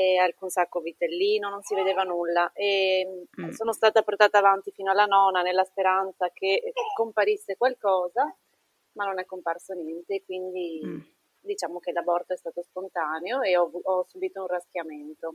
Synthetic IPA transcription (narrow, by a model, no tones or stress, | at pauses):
ealkunsakːovit̪elːiːnononsived̪eːvanulːaʔe | soːnost̪aːt̪aport̪aːt̪aːvant̪ifiːnoalːanɔnanelːaspeɾant̪sakekompaɾisːekwalkɔːza | manːonɛkːomparsonjɛnt̪eːkwind̪i | d̪it͡ʃaːmok̟elabɔrt̪oɛst̪aːt̪ospont̪aːneoeɔuɔsːubiːt̪ounrask̟jament̪o